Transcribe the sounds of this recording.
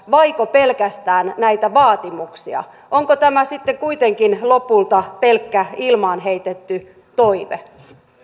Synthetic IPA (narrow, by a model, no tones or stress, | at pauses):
ʋɑikope̞lkæst̪æːnnæit̪æʋɑːt̪imuksiɑ̰ | ʔoŋkot̪æmæsit̪ːekuit̪e̞ŋkinlo̞pult̪ɑpelkːæilmɑːnɦeit̪et̪ːy | t̪oiʋḛ